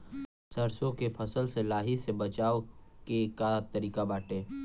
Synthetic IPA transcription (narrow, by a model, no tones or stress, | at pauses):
səɾsõkepʰəsəlselaːɦisebət͡ʃaːokekat̪əɾiːkabaːʈẽː